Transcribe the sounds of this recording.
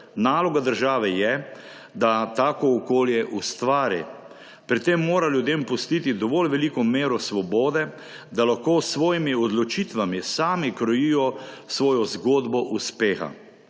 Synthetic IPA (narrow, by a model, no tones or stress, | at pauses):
naːlɔɡad̪əɾʒaːʋɛjɛ | d̪at̪aːkɔːkoːljɛʔust̪ʋaːɾḭ | pɾit̪ːeːmːoːɾaljud̪eːmpʊst̪it̪id̪ɔʋolʋɛlikɔmeːɾɔsʋɔboːd̪ɛ | d̪alaxkoːsʋɔːjimiɔd̪lɔt͡ʃit̪ʋamisaːmikɾɔjiːjɔsʋɔːjɔzɡoːd̪bɔʔuspeːxa̰